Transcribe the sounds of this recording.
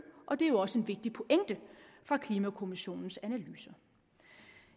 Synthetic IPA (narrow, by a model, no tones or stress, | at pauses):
ʔɒ̽d̥e̝æjoɒ̽səe̝nʋe̝ɡ̥̚d̥ipʰo̝ʔeŋ̰d̥əfʁɑ̈kʰliːmækʰo̝miɕo̝̰ːnn̩sænælyːsɐ